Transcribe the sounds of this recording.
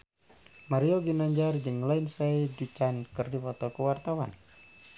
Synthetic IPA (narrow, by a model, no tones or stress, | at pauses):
maɾiɔɡinaɲd͡ʒard͡ʒəŋlainsajdut͡ʃankɨrdipɔt̪ɔkəwart̪awa̰n